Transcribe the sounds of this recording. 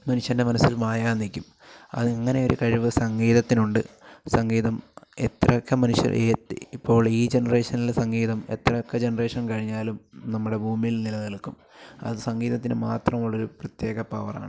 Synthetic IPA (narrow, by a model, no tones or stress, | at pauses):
mɐnuʂjɐnde̞mɐnɐsːilmaːjaːnːikʲːum | ɐ̰ðɨɐŋːɐne̞o̞ɾukɐɻiʋɨsɐŋɡiːðɐt̪ːinuɳɖɨsɐŋɡiːðɐme̞t̪rɐkːɐmɐnuʂjɐ̰eːipːo̞ːɭiːd͡ʑe̞nɐre̞ːʂɐnilsɐŋɡiːðɐme̞t̪rɐkːɐd͡ʑenɐre̞ːʂɐnkɐɻiɲːaːlumnɐmːuɽe̞bʱuːmijilnilɐðɐlkːum | ɐ̰ðɨsɐŋɡiːðɐt̪̬ːinɨmaːt̪rɐmuɭːɐɾuprɐt̪je̞ːɣɐpɐʋɐra̰ːɳɨ